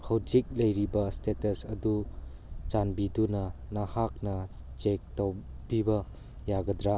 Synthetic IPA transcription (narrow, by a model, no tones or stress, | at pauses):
hɐwd͡ʒik̚lɐjɾibɐstetɐsɐdu | t͡ʃanbidunɐ | nahak̚nɐ | t͡ʃek̚tow | bibɐ | jaɡɐd̪ɾa